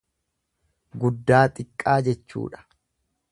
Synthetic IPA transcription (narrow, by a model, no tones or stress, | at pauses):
ɡʊd̪ːaːt̪ʼɪkʼːaːd͡ʒɛt͡ʃːṵːᶑɐ̥